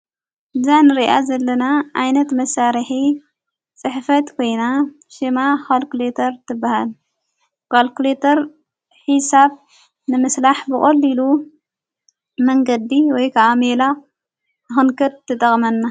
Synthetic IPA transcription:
bɨzajnɨɾiʔa̰zɐlːɐnaʔajnɐt̪mɐsaɾħi | t͡sʼɨħfɐt̪kʰo̞jna | ʃimakolklet̪ʰɐɾt̪ʰɨbːahal | kolklet̪ʰɐɾ | ħisab | nɨmɨslaħbɨkʼɐlːilu | mɐŋɡɐd̪iwɔjkʰaʔamela | nɨxɨnkʰɐt̪̚t̪ʰːɐt̪ʼɐχʼmɐnːa

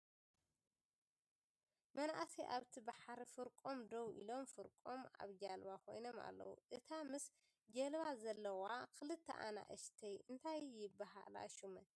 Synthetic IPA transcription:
mɐnaʔsiʔaβt̪ʰibaħaɾifɨɾkʼomd̪owḭlo̞mfɨɾkʼoma̰βd͡ʒalβakʰo̞̰jno̞ma̰lːɐ̰wṵʔɨt̪ʰamɨs | d͡ʒɐlβazɐlːɐwakʰɨlɨt̪ʰːɐ̰ʔana̰ʔɨʃt̪ʰɐjɨnt̪ʰajːɪbːaɦa̰la̰ʃumɐ

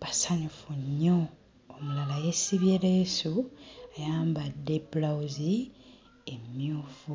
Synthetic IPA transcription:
pasaɲufuɲːoː | mulalajesiβjelesuajaːmbadːebulawuzi | emjuːfu

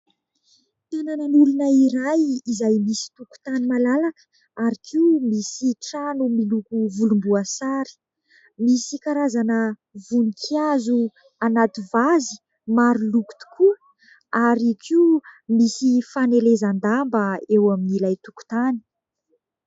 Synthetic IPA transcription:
t̪anananulunəiɾajizajmisi̥t̪uku̥t̪animalalakə̥ | aɾikʰiumisiʈ͡ʂanumilukuvulumbuasaɾi̥ | misikaɾazanə | vunikʰiazu | anat̪ivazi̥ | maɾuluku̥t̪u̥kʰu | aɾikʰiumisifanelezand̪ambəewaminilajt̪uku̥t̪ani̥

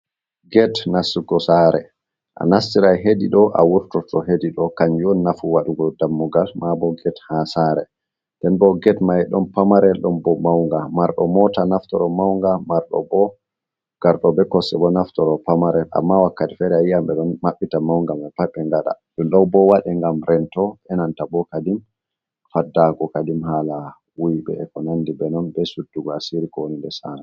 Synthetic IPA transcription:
ɡɛtnasːuɡɔsaɾɛ̰ | ʔa̰nastiɾajɦediɗɔʔa̰wuɾtɔtɔɦediɗɔkaɲd͡ʒɔnnafuwaɗuɡɔdamːuɡalmabɔɡɛthasaɾɛ | ndɛnbɔɡɛtmajɛɗɔnpamaɾɛɗɔmbɔmawŋɡamaɾɗɔmɔtanaftɔɾɔmawŋɡamaɾɗɔ̰bɔ | ɡ̥aɾɗɔbɛkɔsɛbɔnaftɔɾɔpamaɾɛlʔa̰mːawakːati̥fɛɾɛajijambɛɗɔnmaɓːitamawŋɡamɛpaɓːɛŋɡaɗa̰ɗumɗɔwbɔwaɗɛŋɡamɾɛntɔɛnantabɔkadim | fadːakɔkadimhala | wujbɛ̰ːkɔnandibɛnɔnbɛsudːuɡɔasiɾikɔwonindɛsanɔ

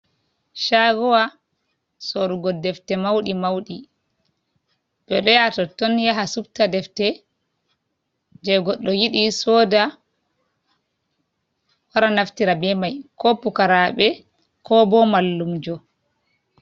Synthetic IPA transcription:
ʃaɡɔwa | soɾuɡɔdɛftɛmawɗimawɗi | b̥ɛɗɔjatɔtɔnjaɦasub̚tadɛftɛ | d͡ʒɛɡɔɗːɔjiɗisɔːda | waɾanaftiɾabɛmajkɔpukaɾaɓɛ | kʰɔbɔmalːumd͡ʒɔ

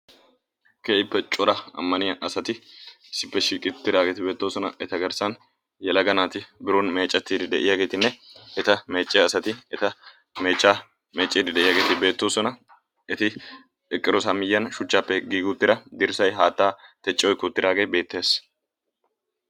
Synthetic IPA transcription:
keːɪpːɛt͡ʃʼɔɾɐɐ̰mːɐnɪjɐʔɐsɐt̪ɪ | sːɪpːɛʃiːkʼɪt̪ːɪd̪aːɡeːt̪ɪbeːt̪ːoːsɔnɐʔɛt̪ɐɡɐɾsɐn | jɛlɐɡɐnaːt̪ɪbɪɾonme̞ːt͡ʃʼːɐt̪ːiːd̪ɪd̪ɛʔɪjaːɡe̞ːt̪ɪnːɛɛt̪ɐme̞ːt͡ʃʼːɪjɐsɐt̪ɪɛt̪ɐ | me̞ːt͡ʃʼːaː | me̞ːt͡ʃʼːiːd̪ɪd̪ɛʔɪjaːɡe̞ːt̪ɪbe̞ːt̪ːoːsɔnɐ | ɛt̪ɪ | ɛkʼːɪɾɔsamɪjːɐnʃʊt͡ʃːaːpːɛɡiːɡʊt̪ːɪɾɐd̪ɪɾsɐjɦaːt̪ːaːt̪ɛt͡ʃʼːɪɔjkʊt̪ːɪd̪aːɡebe̞ːt̪ːeːs

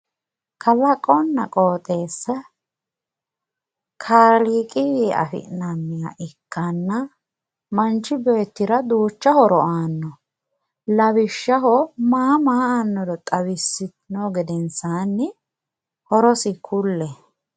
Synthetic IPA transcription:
kʰɐlɐkʼɔnːɐkʼoːt̪ʼeːsːɐ | kʰaːliːkʼɪjeːʔɐ̰fɪ̰ʔnɐmːɪja̰ʔɛkːɐnːɐ | mɐnt͡ʃːɪbeːt̪ːɪɾɐd̪uːt͡ʃːɐhɔɾɔaːnːɔ | lɐβɪʃːɐɦɔmaːmaːɐnːɔd̪ɔt̪ʼɐwɪsːɪt̪ɪnoːɡɛd̪ɛnsaːnːɪ | hɔɾɔsɪkʰʊlːɛ

